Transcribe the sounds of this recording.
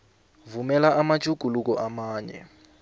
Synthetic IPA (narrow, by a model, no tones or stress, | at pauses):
vumɛlaʔamḁʒʰʱʼuɡ̥ʱuluk̬ɔʔamaːɲɛ̰